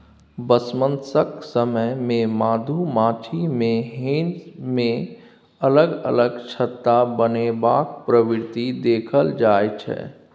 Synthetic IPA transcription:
bəsmə̃nsəksəməmẽmaːd̪ʱumaːt͡ʃʰimẽɦẽːnzmẽ | ələɡə̰ləɡt͡ʃʰət̪ːabənebaːk̚pɾəʋɪɾt̪id̪eːkʰəld͡ʒaːjt͡ʃʰɛ̰

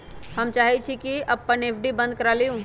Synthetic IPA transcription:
həmt͡ʃaːɦit͡ʃʰikiəpːənepʰɖibə̃nd̪̚kəɾaliũ

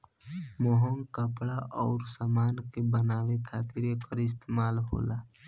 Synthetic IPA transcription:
moɦəŋkəpɽaʔɔːɾsamaːnkebənaːwekʰaːt̪ɪɾekəɾɪs̬t̪emaːlɦo̰ːla

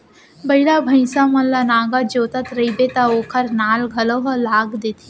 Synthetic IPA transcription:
bɐɪlabʱɐ̃ɪsamɐllanaːɡad͡ʒoːt̪ət̪ɾɐibet̪aoːkʰəɾnaːlɡʱɐloɦɐlaːɡd̪eːt̪ʰi

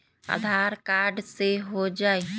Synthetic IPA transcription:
a̰d̪ʱaɾkaːɾɖseɦod͡ʒaːe

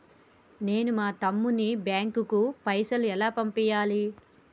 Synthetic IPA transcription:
ne̞ːnumaːt̪ɐmːunibjaːŋkukupɐjsɐluɛlaːpɐmpɛjaːli

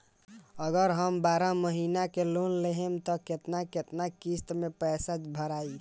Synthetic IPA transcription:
əɡəɾɦəmbaɾaməɦinakelonleɦemt̪ɔket̪naket̪nakist̪mepɛsad͡ʒbʱəɾai

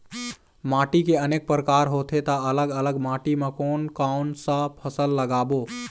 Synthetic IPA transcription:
maːʈikeəneːk̚pɾəkaːɾɦot̪ʰet̪aələɡələɡmaʈimekoːnkaʊnsəpʰəsəlːəɡaːbo

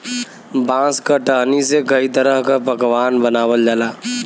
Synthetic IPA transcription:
bãːskaʈəɦnisekɐit̪əɾəɦkapɐkʋaːnbənaːʋəld͡ʒaːlaː

